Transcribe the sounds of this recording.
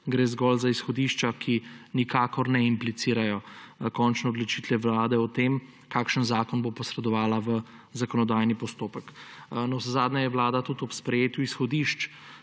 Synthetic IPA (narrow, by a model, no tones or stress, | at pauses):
ɡɾeːzɡɔlzaisxɔd̪iʃt͡ʃakʰinikaːkɔɾnɛimplit̪siːɾajɔkɔnt͡ʃnɛɔd̪lɔt͡ʃit̪ʋɛʋlaːd̪ɛɔt̪em | kaːkʃənzaːkɔnbopɔsɾɛd̪ɔʋaːlaʋə | zakɔnɔd̪aːjnipɔst̪oːpəknɔszaːd̪nʲajɛʋlaːd̪at̪ut̪ɔpspɾɛjeːt̪uisxɔd̪iʃt͡ʃ